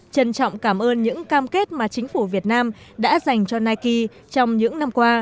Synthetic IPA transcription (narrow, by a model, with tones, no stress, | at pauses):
t͡ɕə˧˩nt͡ɕɔ̰˧˨wŋ͡mkaː˧˩mʔəː˧nɲɨ̰˧˥ŋkaː˧mke˦˥t̚maː˨˩t͡ɕï˨˦ŋ̟fu˧˩vi˨˩ət̚naː˧mɗa̰ː˧˥za˨˩jŋ̟t͡ɕɔ˧naː˧jki˧ | t͡ɕɔ˧wŋ͡mɲɨ̰˧˥ŋna˧mkwaː˧